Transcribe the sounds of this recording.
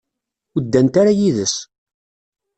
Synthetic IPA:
əd̪ːænt̪aɾajiðəs

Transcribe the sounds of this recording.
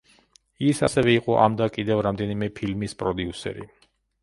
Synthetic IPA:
isasɛvɛiqʼɔʔa̰md̪akʼid̪ɛvɾamd̪ɛnimɛpʰilmispʼɾɔd̪iusɛ̰ɾḭ

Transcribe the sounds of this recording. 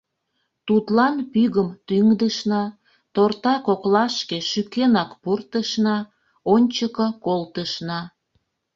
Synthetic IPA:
t̪ut̪lɑnpyɣəmt̪yŋd̪əʃnɑ | t̪ort̪ɑkoklɑʃkeʃykenɑkpurt̪əʃnɑ | onʲt͡ɕəkəkolt̪əʃnɑ

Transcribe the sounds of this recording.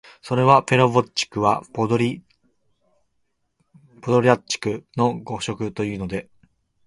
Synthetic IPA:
so̞ɾe̞βape̞ɾobot͡ɕːi̥kɯ̟βa̰ɾʲi | pod̪o̞ɾʲat͡ɕi̥kɯ̟no̞ɡo̞ɕo̞kɯ̟t̪o̞jɯ̟ːno̞d̪e̞

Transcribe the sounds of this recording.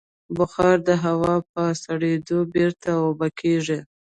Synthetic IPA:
bʊxɑɾd̪əɦawɑp̚əsaɽed̪obiɾt̪ʰawobakʰeʐi

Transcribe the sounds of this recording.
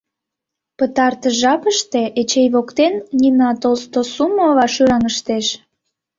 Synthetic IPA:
pət̪ɑrt̪əʒɑpəʃt̪eʔet͡ɕejβokt̪ennʲinɑt̪olst̪osumoβɑʃyɾɑŋəʃt̪eʃ

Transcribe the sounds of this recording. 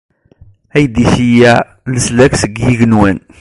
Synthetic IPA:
æjd̪içijæ | ləslæksəɡjiʝənwæn

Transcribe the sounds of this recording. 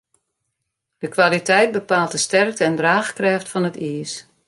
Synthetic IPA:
d̥əkʋalitɛjt̚bəpaːlˠtəstɛrk̚təɛndraːxkrɛːftfɔnətʰiːəs

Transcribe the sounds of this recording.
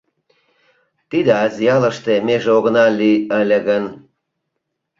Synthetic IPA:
t̪id̪əɑzʲjɑlə̆ʃt̪emeʒeoɣnɑlʲiəlʲə̆ɣən

